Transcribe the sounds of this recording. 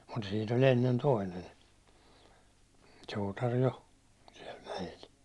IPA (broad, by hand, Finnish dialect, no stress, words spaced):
mut siːn olʲ enːen toinen suːtɑr jo siɛl mæjel